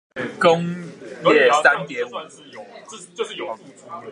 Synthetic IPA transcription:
ko˥˦ŋljɛ˥˨sa˦nt̪jɛ˨˦u˨˩˥

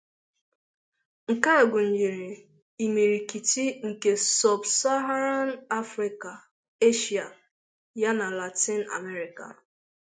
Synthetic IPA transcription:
ŋ̩˨ka˦e˨ɡʷʊ˨n̩˨d͡ʒi˨ɾi˨ | i˨mi˨ɾi˨ki˨ti˦ŋ̩˨ke˨sɔ˨bsa˦ɦa˦ɾa˦n˦a˦fɾi˨ka˨ | e˦ʃi˨a˨ | ja˦na˨la˨ti˦na̰˨me˦ɾi˨ka̰˨

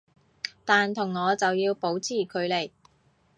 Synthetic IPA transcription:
t̪aː˨nt̪ʰʊ˨˩ŋːɔː˨˧t͡sɐ˨wjiː˧wpo˨˥wt͡sʰiː˨˩kʰɵ˨˧ɥle˨˩j

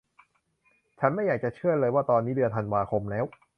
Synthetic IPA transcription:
t͡ɕʰa˦˥nma˥˩jaː˨˩k̚t͡ɕa˨˩t͡ɕʰɯ˥˩əlɤː˧jwaː˥˩t̪ɔː˧nːiː˦˥dɯ˧ət̪ʰa˧nwaː˧kʰo˧mlɛː˦˥w

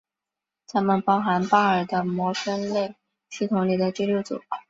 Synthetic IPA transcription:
t͡sʰa˥mə˨npɑ˥ʊxa˧˥npa˥ə˞˨˩d̪ə˦mwɔ˧˥ʂə˥nle˥˩ɪ | ɕi˥˩t̪ʰʊ˧˥ŋli˨˩d̪ə˦ʈ͡ʂi˥˧ljo˥˩ʊt͡sṵ˨˩˦

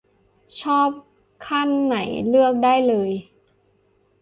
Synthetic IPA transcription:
t͡ɕʰɔː˥˩p̚ | kʰa˥˩nːa˩˦jlɯ˥˩ək̚daː˥˩jlɤː˧j

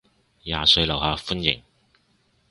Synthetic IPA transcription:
jaː˨sɵ˧ɥlɐ˨˩whaː˨fu˥njɪ̰˨˩ŋ

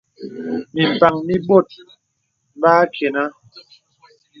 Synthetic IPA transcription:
mi˨m˨pa˨ŋmi˦ɓo˦˨t̚ | baː˦kʰe˨na˦

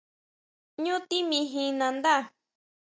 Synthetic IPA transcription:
ɲũ˦t̪i˦mĩ˧ɦĩ˧nã˧nd̪a˦˨

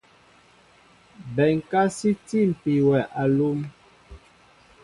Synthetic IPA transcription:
bɛ˨ŋ˨ka˦si˦ti˦˨m̩˨pi˨wɛ˨ʔa˨lu˦m

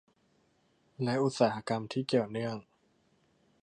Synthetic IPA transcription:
lɛ˦˥ʔu˧˦˩t̪̚saː˩˦ha˧˥ka˧mt̪ʰiː˥˩ki˨˩əwnɯ˥˩əŋ

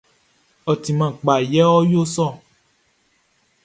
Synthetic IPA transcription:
ɔ˨ti˨mã˨ɡ͡ba˨jɛ˦ɔ˦jo˦sɔ˦˨

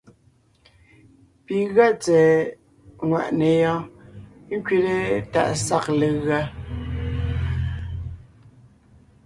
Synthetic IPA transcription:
pi˨ɣɰa˦t͡sɛː˨ | ŋwa̰˨ʔne˨jɔ̃˦ | ŋ˦kɥe˦te˦ta̰˦˨ʔsa˦˨kle˨ɣa˦

